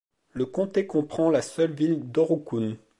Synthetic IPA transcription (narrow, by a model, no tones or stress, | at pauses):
ləkɔ̃t̪ekɔ̃pχɑ̃lasœlvild̪ɔʁukun